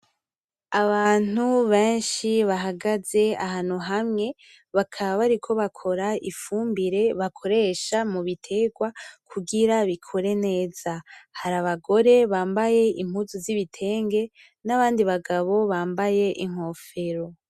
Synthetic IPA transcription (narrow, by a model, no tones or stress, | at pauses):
aβaːn̥uβe̞ːnʃiβaɦaɡaze̞aɦaːnuɦamŋe̞ | βakʰaβaβaɾikʰo̞βakʰo̞ɾaifuːmbiɾe̞βakʰo̞ɾe̞ʃamuβitʰe̞ɡwakʰuɡiɾaβikʰo̞ɾe̞ne̞ːz̥ahaɾaβaɡo̞ɾe̞βaːmbaje̞im̥huzuziβitʰe̞ːŋɡe̞ | naβaːndiβaɡaβo̞βaːmbaje̞ʔiŋ̥o̞ːfe̞ɾo̞